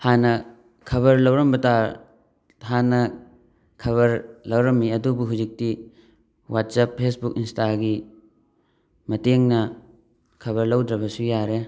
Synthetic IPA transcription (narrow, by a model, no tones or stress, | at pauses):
hanɐ | kʰɐβɐɾlɐwɾɐmbɐta | hanɐ | kʰɐβɐɾlɐwɾɐmːiɐdubuɦuzik̚ti | wat̚sapʰːesbukinstaɡi | mɐteŋnɐ | kʰɐβɐɾlɐwdɾɐbɐsujaɾe